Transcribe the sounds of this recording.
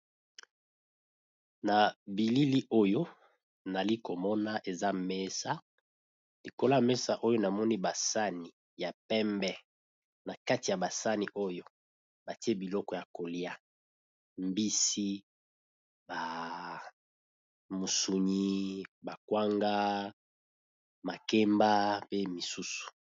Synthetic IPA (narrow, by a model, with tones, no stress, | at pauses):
na˨bi˨li˦li˦ʔo˦jo˦ | na˨li˦ko˨mɔ˦na˦ʔe˨za˦mɛ˦sa˦ | li˨ko˦la˦mɛ˦sa˦ʔo˦jo˦na˨mɔ˦ni˦ba˨sa˦ni˨ | ja˨pɛ˦mbɛ˦ | na˨ka˦ti˨ja˨ba˨sa˦ni˨ʔo˦jo˦ | ba˨ti˦e˦bi˨lɔ˦kɔ˨ja˨ko˨li˦a˦ | mbi˦si˦ | ba˨ | mo˨su˨ɲi˦ba˨kwa˦ŋɡa˦ | ma˨ke˦mba˦pe˦mi˨su˦su̥˨